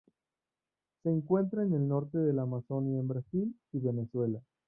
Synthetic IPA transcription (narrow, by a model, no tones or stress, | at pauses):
se̞ːŋkwe̞nt̪ɾaene̞lno̞ɾt̪e̞ðe̞lamaso̞njaembɾasiliβe̞ne̞swe̞la